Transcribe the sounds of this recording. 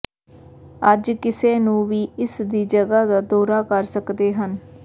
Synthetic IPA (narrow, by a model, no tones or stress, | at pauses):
əd͡ʒkɪseːnũːʋiːɪsd̪iːd͡ʒəɡaːd̪aːd̪ɔːɾaːkəɾsəkd̪eːɦən